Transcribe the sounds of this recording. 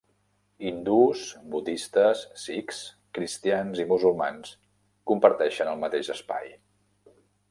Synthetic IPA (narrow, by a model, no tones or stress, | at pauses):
ind̪usbud̪ist̪əsːiks | kɾist̪ianzimuzulˠma̰ns | kumpəɾt̪ɛʃənəlˠmət̪eʒəspa̰j